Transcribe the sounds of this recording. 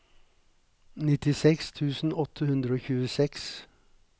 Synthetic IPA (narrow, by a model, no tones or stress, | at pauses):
nɪt̪ɪsɛkst̪ʰʉːsn̩ɔt̪ʰəhʉnd̪ɾəoːçʉːəsɛks